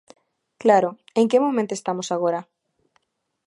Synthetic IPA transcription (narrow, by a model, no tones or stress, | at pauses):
klaɾo | eŋkemomẽnt̪oest̪amosaɣ̞oɾa